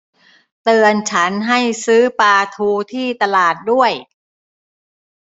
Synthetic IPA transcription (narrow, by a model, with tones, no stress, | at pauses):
t̪ɯː˧ənt͡ɕʰa˦˥nɦa˥˩jsɯː˦˥paː˧t̪ʰuː˧t̪ʰiː˥˩t̪a˧laː˨˩t̪̚du˥˩əj